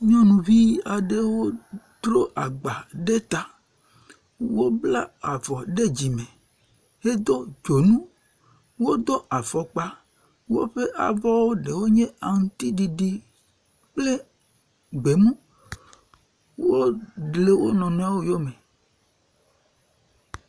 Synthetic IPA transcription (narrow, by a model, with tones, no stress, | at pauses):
ɲɔ̃˦nũ˨vi˦a˨ɖe˦wo˦t̪ɾo˦ʔa˨ɡ͡ba˨ɖe˦t̪a˨ | wo˦bla˦a˨vɔ˨ɖe˦d͡ʑi˨mẽ˨ | he˦d̪o˦d͡ʒo˨nũ˦ | wo˦d̪ɔ˦ʔa˨vɔ˨k͡pa˦ | wo̰˦ɸe˦ʔa̰˨vɔ˦wo˦ɖe˨wo˦ɲẽ˦a˨ŋũ˨t̪i˦ɖi˨ɖi˦ | k͡ple˦ | ɡ͡be˨mũ˦ | wo˦ɖle˦wo˦nɔ̃˨nɔ̃˦a˦wo˦jo˦me˨